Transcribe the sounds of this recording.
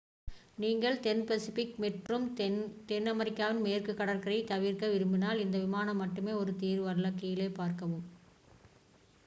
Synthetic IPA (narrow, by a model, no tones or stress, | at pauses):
niːŋɡɐɭt̪ɛnpɛsɪfɪkmɛʈrɯmt̪ɛnɐmɐɾɪkːaːʋɐnmeːrkɯkːɐɽɐɾkɐɾɐɪt̪ɐʋiːɾkɐʋɪɾɯmbɪnaːlɪnd̪ɐʋɪmaːnɐmːɐʈːɯmeːɔɾɯt̪iːɾʋɐɾɯɭɐkːɐjɪleːpaːɾkɐʋɯm